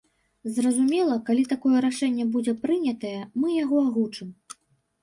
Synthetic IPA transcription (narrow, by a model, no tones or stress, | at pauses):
zrɐzumʲɛlˠɐkalʲit̪akɔjɛɾaʂɛnʲːɛbud͡zʲɛpɾɨnʲɐt̪ɐjɛmɨjaɣɔaɣut͡ʂɨm